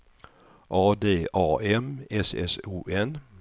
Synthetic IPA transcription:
ʔɑːd̪eːɑːɛmɛsɛ̰suːɛn

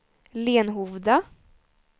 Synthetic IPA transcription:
leːnɦuvd̪a

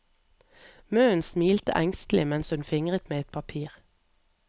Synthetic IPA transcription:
møːənsmiːlt̪ə̰ʔæŋst̪l̩ɪmɛnshʉnfɪŋʁət̪meːɛt̪̚pʰɑpʰiːʁ

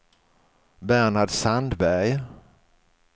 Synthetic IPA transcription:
bæɳaɖsand̪bæɾj

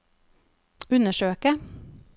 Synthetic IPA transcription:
ʉnəʃøːkə

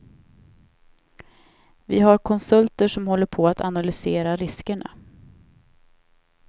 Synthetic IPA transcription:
vɪɦaɾkʰɔnsɵlt̪əʂɔmhɔlːəɾpʰɔat̪analʏseːɾaɾɪskəɳa̰

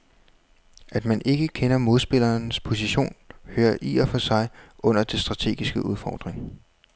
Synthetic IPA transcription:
ʔæd̥mænʔe̝ɡ̥əkʰenɐmo̝ðˠsb̥e̝lɐːnspʰo̝siɕo̝̰ːnhøːɐʔḭɐfɒ̽sɑ̈ɪʔɔ̽n̰ɐd̥e̝sd̥ʁɑ̈t͡sʰe̝̰ːɡ̥isɡ̥əʔuð̞ˠfɒ̰ːd̥ʁeŋ

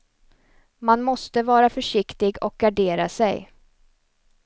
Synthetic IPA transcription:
manmɔst̪əvɑːɾafœʂɪkt̪ɪɡɔk̚ɡaɖeːɾa̰sɛj

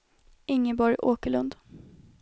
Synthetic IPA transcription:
ʔɪŋːəbɔɾjʔoːkəɭɵnd̪

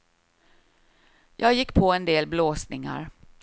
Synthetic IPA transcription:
jʔɑːɡjɪkːpʰoɛnd̪eːlbloːsnɪŋa̰ɾ

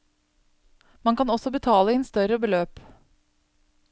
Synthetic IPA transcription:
mɑŋkɑnɔsɔbət̪ʰɑːləieːnst̪œɾəbəløːp

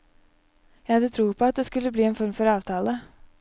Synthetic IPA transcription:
jæɪhɑd̪ət̪ʰɾuːpʰɔɑt̪̚d̪eskʉlːəbliːɛːnfɔɾmfɔɾɑːʋt̪ʰɑːlə

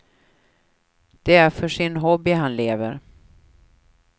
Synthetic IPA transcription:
d̪̥ɛæɾfœʂɪnɦɔbːɪɦanleːvəɾ

